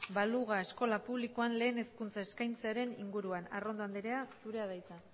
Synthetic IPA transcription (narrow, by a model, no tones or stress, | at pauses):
baluɣ̞ae̞sko̞lapuβlikoanle̞ːne̞skunt͡saeskajnt͡seaɾe̞niŋɡuɾuanaro̞nd̪oand̪eɾe̞asuɾe̞að̞ajt͡sa